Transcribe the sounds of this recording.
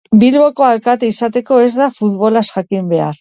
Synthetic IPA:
bilβo̞ko̞alkat̪eisat̪e̞ko̞e̞zd̪afut̪βo̞lasʝakimbe̞aɾ

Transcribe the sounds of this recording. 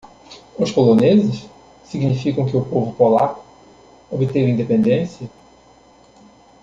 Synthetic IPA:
ʊʃpolõnezɪʃ | siɡnifikɐ̃w̃kɪʊpovʊpolakʊ̥ | obɪt̪evɐĩnd̪epẽnd̪ẽsjɐ

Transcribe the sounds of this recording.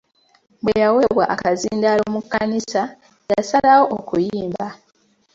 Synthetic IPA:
bwejawe̞βwa̰ʔakaziːndalo̞ːmukːanisa | jasalawo̞ʔokujiːmba

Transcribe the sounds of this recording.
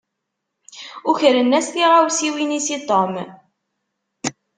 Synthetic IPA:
ʊçəɾənːæsθiʁawsiwinisit̪ˤom

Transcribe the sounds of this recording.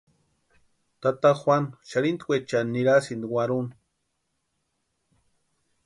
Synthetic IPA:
t̪at̪axwʷanʃaɾind̪wʷet͡ʃanːiɾasind̪iwaɾun

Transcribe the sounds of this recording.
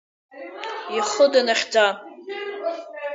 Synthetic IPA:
iχʊdanaχʲd͡za

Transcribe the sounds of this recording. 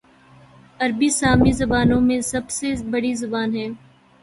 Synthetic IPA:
ɐɾbisaːmizɐbaːnõmẽsɐbsebɐɽizʊbaːnɦɛ̃ː

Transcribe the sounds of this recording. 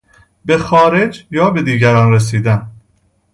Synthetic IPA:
be̞xɒːɾe̞d͡ʒjɒːbe̞d̪iːɟæɾɒːnɾes̬iːd̪æn

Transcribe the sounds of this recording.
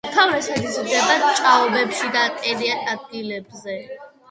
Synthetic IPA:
t̪ʰawɾɛsad̪isɡɛbat͡ʃʼaɔbɛpʃid̪aːt̪ʼɛɾiɛnad̪̚ɡilɛbzɛ

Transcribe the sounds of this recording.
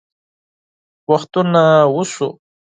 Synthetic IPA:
wɑχt̪ʊnawʊsʊ

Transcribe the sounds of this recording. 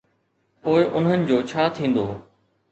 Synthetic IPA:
poːɪʔʊnɦənɪ̆d͡ʑoːt͡ɕʰaːt̪ʰĩːn̆d̪oː

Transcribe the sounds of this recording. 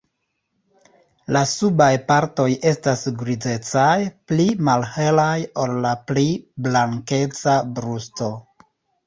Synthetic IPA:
lasubajpaɾto̞je̞stasɡɾize̞t͡sajplimalhe̞lajollapliblaŋke̞t͡sabɾusto̞

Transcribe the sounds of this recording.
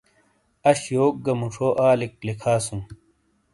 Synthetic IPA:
ɐɕjoːk̚ɡɐmuʂʰoːʔaːlik̚lekʰaːsum

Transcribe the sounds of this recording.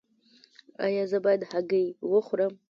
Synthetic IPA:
a̰jazabadħaɡejwʊχʷram

